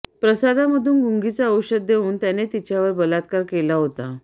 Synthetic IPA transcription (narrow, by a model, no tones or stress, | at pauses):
pɾəsad̪ʱaməd̪ʱuːnɡuŋɡit͡saəwɕəd̪̚d̪euːnt̪janet̪it͡ɕjaʋəɾbəlat̪kaɾkelaɦot̪a